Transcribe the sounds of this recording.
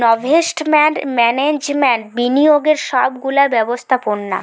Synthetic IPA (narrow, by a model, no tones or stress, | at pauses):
nɔbʱesʈmeɳʈmɛned͡ʑmeɳʈbinijoɡeɾʃɔbɡulabɛbost̪ʰaponːa̰